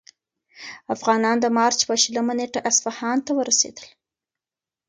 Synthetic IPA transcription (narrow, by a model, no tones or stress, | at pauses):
afɣɑnɑnd̪əmɑɾt͡ʃpəʃələmaneʈaʔasfahɑnt̪awəɾasḛd̪əl